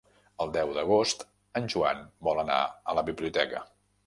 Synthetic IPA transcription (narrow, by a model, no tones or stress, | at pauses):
əlˠd̪ɛwðəɣ̞ost̪ | ənʲʒuanbɔlˠəna̰ələβiβliut̪ɛkə